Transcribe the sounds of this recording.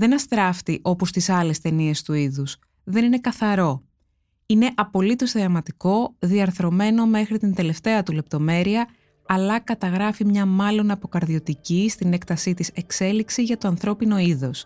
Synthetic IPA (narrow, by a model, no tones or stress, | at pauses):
ðe̞nɐst̪ɾɐft̪iʔo̞po̞st̪isɐle̞st̪e̞nie̞st̪uiðus | ðe̞nine̞kɐθɐɾo̞ | ine̞ʔɐpo̞lit̪o̞zðiɐmɐt̪iko̞ðiɐɾθɾo̞me̞no̞me̞xɾit̪ind̪e̞le̞ft̪e̞ɐt̪ule̞p̚t̪o̞me̞ɾiɐ | ɐlɐkɐt̪ɐɣɾɐfimɲɐmɐlo̞nɐpo̞kɐɾðio̞t̪icist̪ine̞kt̪ɐsit̪ise̞kse̞liksiʝɐt̪oɐnθɾo̞pino̞iðo̞s